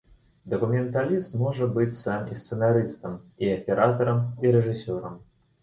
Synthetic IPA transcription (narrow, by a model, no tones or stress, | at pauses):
d̪ɐkumʲɛnt̪alʲist̪mɔʐɐbɨt͡sʲsamḭst̪sɛnaɾɨst̪ɐmiɐpʲɛɾʔat̪ɐɾɐmiɾɛʐɨsʲɔɾɐm